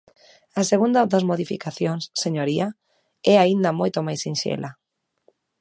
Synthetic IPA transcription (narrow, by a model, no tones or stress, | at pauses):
ɐseɣund̪ɐd̪ɐzmoðifḭkaθjoŋsːeɲoɾia | ɛaind̪ɐmojt̪omajsinʃḛlɐ